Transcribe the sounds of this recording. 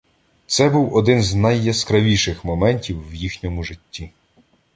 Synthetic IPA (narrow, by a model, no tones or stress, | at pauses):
t̪sɛbuwɔd̪ɪnznɐjːɛskɾɐʋʲiʃɪxmɔmɛnʲtʲiwːjixnʲɔmʊʒɪtʲːi